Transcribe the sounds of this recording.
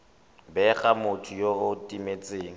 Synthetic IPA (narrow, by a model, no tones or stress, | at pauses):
bɛχamʊtʰʊjoʊtʼimet͡sʼeːŋ̩